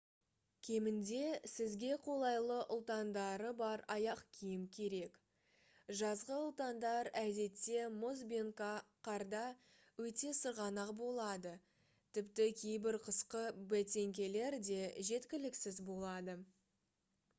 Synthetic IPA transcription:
kʲʰe̞mɪnd̪e̞sɪzɡʲe̞qʰo̞lˠɑjlˠəʔʊlˠt̪ɑnd̪ɑɾəbɑɾɑjɑqkʲʰijɪmkʲʰe̞ɾe̞k | ʒɑzʁəʊlˠt̪ɑnd̪ɑɾæd̪e̞t̪ːe̞mʊzbeŋkɑqɑɾd̪ɑ | wɵt̪e̞səɾʁɑnɑqbo̞lˠɑd̪ə | t̪ʰɪpt̪ɪkʲʰejbɪɾqʰəsqəbæt̪e̞ŋkʲe̞le̞ɾd̪e̞ʒe̞t̪kʲɪlɪksɪzbo̞lˠɑd̪ə

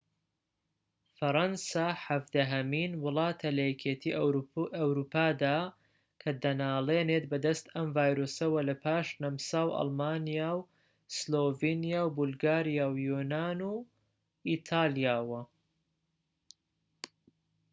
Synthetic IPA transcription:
fɐɾɐnsaːħɐvd̪ɐɦɐmiːnwʊlˠɑːt̪ʰɐlɐjɛkʰet̪ʰiɐwɾuːpʰaːd̪aː | kʰɐd̪ɐnaːleːneːt̪bɐd̪ɐst̪ɐmvaːjɾoːsɐwɐlɐpʰaːʃnɐmsaːwʔɑ̰lˠmaːnijaːw | sloːvenijaːwbulˠɡaːɾijaːwjunaːnu | it̪ʰaːlijaːwɐ

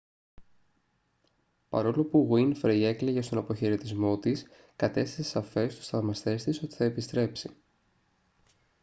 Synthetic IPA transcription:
pɐ̰ɾo̞lo̞puɣwinfɾee̞kleʝest̪o̞nɐpo̞çe̞ɾe̞t̪izmo̞t̪is | kɐt̪e̞st̪i̥sesɐfe̞st̪o̥st̪ɐvmɐst̪e̞st̪iso̞t̪i̥θɐepist̪ɾe̞psi̥

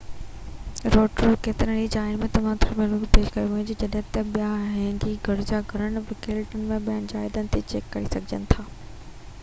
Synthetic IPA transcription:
ɾoːʈəɾkeːt̪ɪɾə̃ɽid͡ʑaːɪnmẽt̪ɐʋ̤ãt̪ʰʊɾmeɾuːbpeːʃkɐjuɦũɪ̃d͡ʑed͡ʑɐɗɦɪ̃t̪ɐɓijaɦɛ̃ːŋɡiɡʱɐɽʊd͡ʑaɡʱɐɾənɪ̆ʋɪkeːlʈənɪ̆mẽɓijənd͡ʑaːɪd̪ənɪ̆t̪ʰit͡ɕeːkːɐɾisɐɡʱɪd͡ʑə̰nɪ̆t̪ʰaː

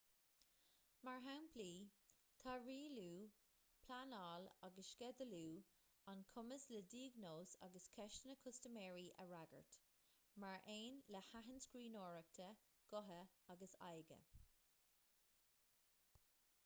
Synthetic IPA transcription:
maɹɦawnpʰliː | t̪ʰaɹiːluː | pʰlanɑːlaɡəʃkɛd̪əluː | ankʰʊməslədiːəɡnoːsa̰ɡəskʰɛʃtənəkʰʊstəmɛːɹiʔə̰ɹaɡə̰ɹt | maɹʔeːnləhaɦənskɹiːnoːɹək̚t̪ʰə | ɡ̥ʊɦəaɡəsa̰jɡə̰

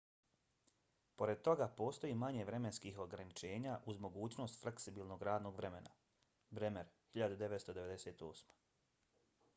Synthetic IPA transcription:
po̞ɾe̞d̪̚t̪o̞ɡapo̞ːst̪o̞jiːmaɲe̞ʋɾe̞me̞nskiɦo̞ɡɾanit͡ʃe̞ːɲaʔuzmoɡuːt͡ɕno̞st̪fleksibiːlˠno̞ɡɾaːd̪no̞ːɡʋɾe̞mena̰ | bɾemeɾhiʎad̪ud̪eʋet̪st̪o̞d̪eʋe̞d̪e̞seːt̪oːsmḁ

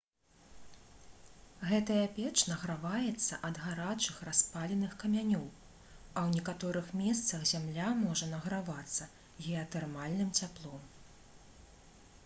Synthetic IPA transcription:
ɣɛt̪ɐjapʲɛt͡ʂnɐɣɾavajɛt̪sːɐʔɐd̪ɣaɾat͡ʂɨxraspalʲɛnɨxkɐmʲanʲɔw | ɐwnʲɛkat̪ɔɾɨxmʲɛst̪sɐxzʲamlʲamɔʐɐnɐɣɾavat̪sːɐ | ɣʲɛɐt̪ɛrmalʲnɨmt͡sʲaplˠɔm

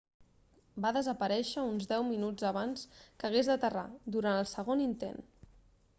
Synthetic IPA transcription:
baðəzəpəɾɛʃəunzd̪ɛwminud͡zəβ̞anskəɣ̞ezd̪ət̪əra̰d̪uɾanəlˠsəɣ̞onint̪ḛn

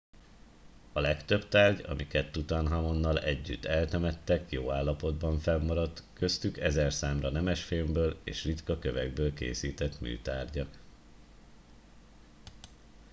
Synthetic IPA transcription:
ɒlɛkt̪ø̞bt̪aːrɟɒ̰mʔikɛt̪ːut̪ɒnɦɒmo̞nːɒlɛɟːyt̪ːɛlt̪ɛmɛt̪ːɛkjoːaːlːɒpo̞d̪bɒɱfɛmːɒɾɒt̪kø̞st̪ykɛzɛrsaːmrɒnɛmɛʃfilmbøːlḛːʃrit̪kɒkø̞vɛɡ̚bøːlkḛːsiːt̪ɛt̪my̰ːt̪aːrɟɒk

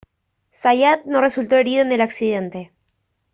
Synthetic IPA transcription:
sajat̪̚no̞re̞sult̪o̞e̞ɾiðoene̞laksiðe̞nt̪e̞

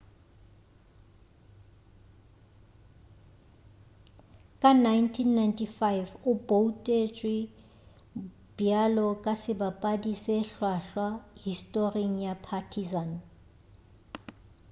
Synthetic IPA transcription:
kʼanajntʰinːajntʰifajvʊboutʼet͡ʃʼwɪ | b̥jalɔkʼasɪbapʼadiseɬwaɬwahistʼoriŋ̩japʰatʰizan

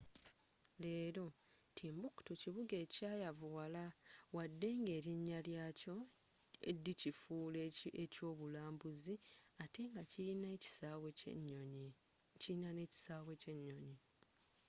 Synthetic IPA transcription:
le̞ːɾo̞tʰiːmbuku̥tuciβuɡe̞ːcaːjavuwalawadːe̞ːŋɡe̞ːɾiɲːaljaco̞ | ḛdːicifuːleeco̞ːβulaːmbuziate̞ŋɡacin | cinane̞ci̥saːβweceɲːoɲi

